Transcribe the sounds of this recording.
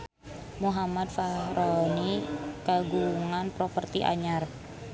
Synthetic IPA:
muɦamad̪fahɾonikaɡuŋanpɾopərt̪iʔa̰ɲar

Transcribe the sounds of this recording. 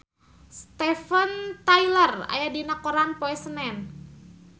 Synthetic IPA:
st̪ɛfənt̪ajləra̰jadinakoɾanpoɛsənɛn

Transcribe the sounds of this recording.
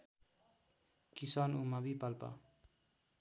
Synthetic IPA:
kisanumabipalpa̰

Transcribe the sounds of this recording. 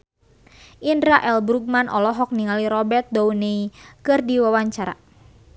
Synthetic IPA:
ʔindɾaʔɛlbɾuɡ̚manʔɔlɔɦɔk̚niŋaliɾɔbɛrt̪̚douneikɨrdiwawaɲt͡ʃaɾa̰

